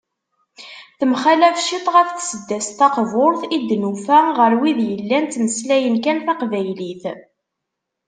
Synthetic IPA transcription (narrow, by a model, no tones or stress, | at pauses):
θəmχælæfʃit̪ˤʁæfθsəd̪ːæst̪ɑqvʊɾθid̪ːnufæʁəɾwiðjəlːænt̪məslæjənkænθɑqvæjliθ